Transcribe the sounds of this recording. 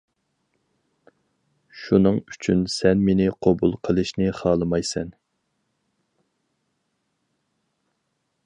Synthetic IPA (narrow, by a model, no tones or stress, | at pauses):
ʃunɨŋyt͡ʃʰynsɛnmenɪqʰobṵlˠqʰəlˠɨʃnɪχɑːlˠɨmɑjsɛn